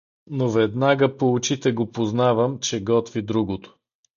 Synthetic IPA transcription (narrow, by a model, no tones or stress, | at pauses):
novɛd̪naɡəpout͡ʃit̪ɛɡopoznavəmt͡ʃɛɡɔt̪vid̪ɾuɡot̪o̥